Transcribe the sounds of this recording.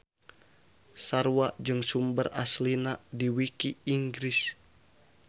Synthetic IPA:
saruwaʔd͡ʒɨŋsumbəraslinadiwikiiŋɡɾis

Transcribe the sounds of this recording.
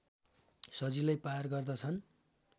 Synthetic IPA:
sʌd͡zilajparɡʌrd̪ʌt͡sʰʌn

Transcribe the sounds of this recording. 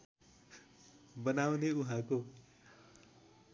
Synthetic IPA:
bʌnawneuɦãko

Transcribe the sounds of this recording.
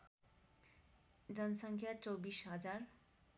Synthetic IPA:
d͡zʌnʌsʌŋkʰjat͡sowbisɦʌd͡zar

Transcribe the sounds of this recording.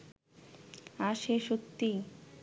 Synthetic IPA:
aʃeʃokt̪ːi

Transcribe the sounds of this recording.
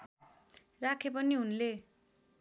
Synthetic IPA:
rakʰepʌniɦunle

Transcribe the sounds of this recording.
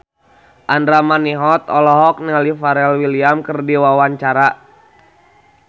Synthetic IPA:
ʔandɾamaniɦɔt̪ɔlɔɦɔk̚nialifaɾɛlwiliamkərdiwawaɲt͡ʃaɾa

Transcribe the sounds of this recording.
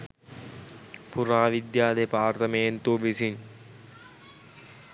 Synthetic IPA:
puɾaːʋid̪jaːd̪epaːrt̪ɐmejent̪uʋisin

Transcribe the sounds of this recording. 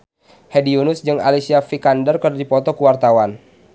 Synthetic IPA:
hediunʊsd͡ʒɨŋa̰lisiafikandərkərdadipɔt̪ɔkəwart̪awan

